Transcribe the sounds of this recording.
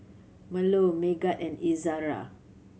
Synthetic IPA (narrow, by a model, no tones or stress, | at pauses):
mə̃lomeɡat̚ɛ̃nizaɾa̰